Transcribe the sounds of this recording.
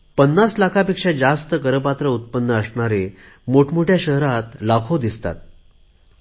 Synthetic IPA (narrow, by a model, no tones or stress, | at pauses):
pənːaslakʰapekʂad͡zast̪əkəɾəpat̪ɾəut̪̚pənːəəsɳaɾe | moʈʰmoʈʰjaɕəɦɾat̪lakʰod̪ist̪a̰t̪̚